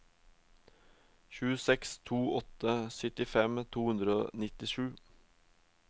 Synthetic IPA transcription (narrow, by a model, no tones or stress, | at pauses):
çʉːsɛkst̪ʰuːɔt̪əsœt̪ɪfɛmt̪ʰuːhʉnd̪ɾəo̰ːnɪt̪ɪʃʉː